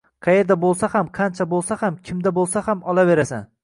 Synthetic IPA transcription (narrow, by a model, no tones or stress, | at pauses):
qʰɑje̞ɾd̪abolˠsahamqʰɑnt͡ʃʰabolˠsahamkʲʰɪmd̪abolˠsahamɒlˠave̞ɾasa̰n